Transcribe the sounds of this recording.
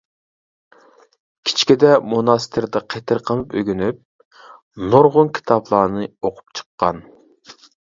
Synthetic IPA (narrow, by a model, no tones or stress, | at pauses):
kʲʰi̥t͡ʃʰkʲid̪ɛmunɑst̪ʰɪɾd̪ɛqʰet̪ʰɪɾqʰəmˠɨpøɡʲynyp̚ | noɾʁʊnkʲʰi̥t̪ʰɑblˠɑːnɨoqʰʊ̥p̚t͡ʃʰə̥qːɑ̰n